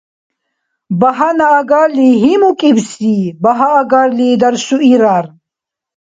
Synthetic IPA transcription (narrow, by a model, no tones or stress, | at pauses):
bɐɦɐnɐːɡaɾliɦimukʼibsibɐɦɐːɡaɾlid̪ɐɾsuʔiɾaɾ